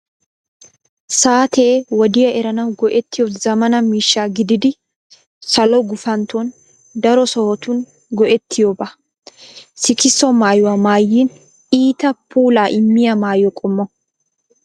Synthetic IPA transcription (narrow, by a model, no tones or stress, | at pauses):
saːt̪ʰeːwɔd̪ɪjɐʔɛɾɐnɐwɡɔʔɛt̪ːɪjɔzɐmɐnɐmiːʃːaːɡɪd̪ɪd̪ɪ | sɐlɔɡʊfɐnt̪ɔn | d̪ɐɾɔsɔhɔt̪ʊn | ɡɔʔɛt̪ʰːɪjɔbɐ | sɪkɪsːɔmaːjʊwamaːjːiːn | iːt̪ɐpʰuːlaːʔɪmːɪjɐmaːjɔkʼɔmːɔ